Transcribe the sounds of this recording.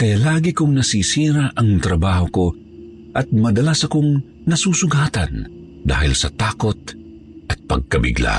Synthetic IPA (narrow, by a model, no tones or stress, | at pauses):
kɐjalaːɡɪkʊŋnɐsiːsiːɾaʔɐŋt̪ɾɐbaːhoko | ʔɐt̪̚mɐd̪ɐlasɐkoŋ | nɐsuːsʊɡaːt̪ɐ̰n | d̪a̰ːhɪlsɐt̪aːkot̪̚ | ʔɐt̪̚pɐ̰ɡ̚kɐbɪ̰ɡla̰